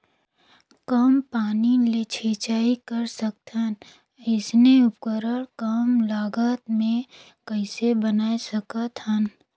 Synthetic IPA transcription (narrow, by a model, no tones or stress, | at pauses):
kəmpaːnilet͡ʃʰeːt͡ʃaːikəɾsək̚t̪ʰən | ɪsneʊpkəɾəɽkəmlaːɡaːt̪mẽ | kəɪsebənaːesɐkat̪ʰan